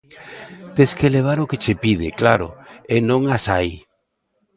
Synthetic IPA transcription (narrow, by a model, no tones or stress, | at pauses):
t̪eskeleβ̞aɾoket͡ʃepið̞ɪklaɾʊ̰enõŋasaj